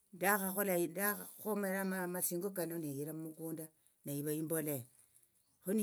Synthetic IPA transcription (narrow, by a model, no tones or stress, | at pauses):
daxaxoladaxomeɾamamasiːŋɡokanonejiɾamumukuːnda | naiβaimbo̞le | xoni